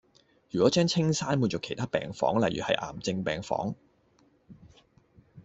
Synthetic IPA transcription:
jyː˨˩kɔː˨˦˥t͡ʃœː˥ŋt͡sʰɪ˥ŋsaː˥nmuː˨˧nt͡sɔː˨kʰe˨˩jt̪ʰaː˥pɛ̰ː˨ŋfɔ̰ː˨˥ŋlɐ˨jyː˨˩hɐ̰˨jʔa̰ː˨˩mt͡sɪ˧ŋpɛː˨ŋfɔ̰ː˨˥ŋ

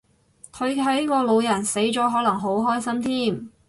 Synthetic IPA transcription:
kʰɵ˨˧ɥkʰɐ˨˥jkɔː˧lo˨˧wjɐ˨˩nse˨˥jt͡ʃɔː˨˥ɦɔː˨˥lɐ˨˩ŋɦo˨˥wɦɔː˥jsɐ˥mt̪ʰiː˥˩m

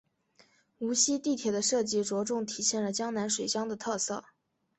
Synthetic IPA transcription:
u˧˥ɕi˥t̪i˥˩t̪ʰjɛ˨˩d̪ə˦ʂɤ˥˩t͡ɕi˥˩ʈ͡ʂwɔ˧˥ʈ͡ʂʊ˥˩ŋt̪ʰi˨˩ɕjɛ˥˩nlə˩t͡ɕjɑ˥ŋna˧˥nʂwe˨˩ɪɕjɑ˥ŋd̪ə˨t̪ʰɤ˥˧sɤ̰˥˩

